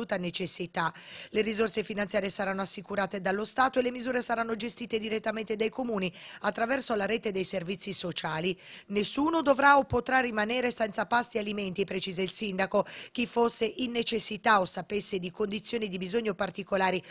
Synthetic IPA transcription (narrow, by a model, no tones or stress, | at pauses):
uːt̪anet͡ʃesːit̪alerizorsefinant̪sjaːɾjesaɾanːoasːikuɾaːt̪ed̪alːost̪aːt̪oelːemizuːɾesaɾanːod͡ʒest̪iːt̪ed̪iɾet̪ːament̪ed̪ajkomuːniat̪ːɾavɛrsolaɾɛːt̪ed̪ejservit̪sːisot͡ʃaːlinesːuːnod̪ovɾaopːot̪ɾarːimanɛːɾesɛnt̪sapast̪ːialiment̪ipɾet͡ʃiːzeilsind̪akok̟ifːosːeʔinːet͡ʃesːit̪aosːapesːed̪ikond̪it̪sːjoːnid̪ibizoɲːopart̪ikolaːɾi